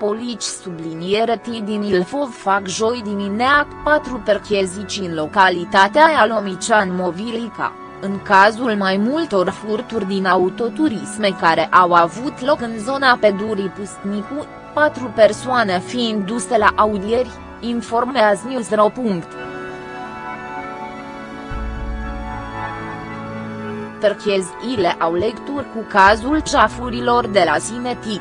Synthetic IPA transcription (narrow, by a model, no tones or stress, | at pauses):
po̞lit͡ʃʲsublinijeɾet̪id̪inilfo̞vfakʒo̞jd̪imineakpat̪ɾuperkezit͡ʃiɨnlo̞kalit̪at̪eajalo̞mit͡ʃanmo̞vilika̰ | ɨŋkazulmajmult̪o̞rfurt̪urʲd̪inaut̪o̞t̪uɾisme̞kaɾe̞ʔawavut̪lo̞kɨnzo̞nape̞d̪uɾipust̪niku | pat̪ɾupe̞rsoane̞fiːnd̪ːuse̞laʔaud̪ije̞rʲ | info̞rmmeazniuzɾopuŋkt̪ | t̪rkezileʔawlekt̪urʲkukazulʃafuɾilo̞rd̪e̞lazine̞t̪i